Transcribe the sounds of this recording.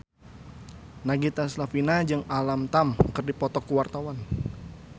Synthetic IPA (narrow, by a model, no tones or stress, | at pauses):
naɡit̪aslafinad͡ʒɨŋalamt̪amkərdipɔt̪ɔkuwart̪awan